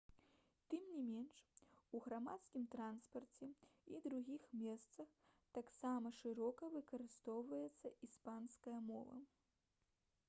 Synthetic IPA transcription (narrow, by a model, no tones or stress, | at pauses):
t̪ɨmnʲimʲɛnʂuɣɾamat̪skʲimt̪ɾanspɐrt͡sʲɛid̪ɾuɣʲixmʲɛst̪sɐxt̪aksamɐʂɨɾɔkɐvɨkɐɾɨst̪ɔwvɐjɛt̪sːɐʔispanskɐjɐmɔvɐ̰